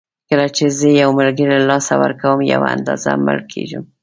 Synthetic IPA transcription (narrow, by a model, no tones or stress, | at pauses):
kəlat͡ʃezəjawmalɡəɾilɑsawə̰ɾkawəmjawaand̪ɑzaməɽkʰeʒum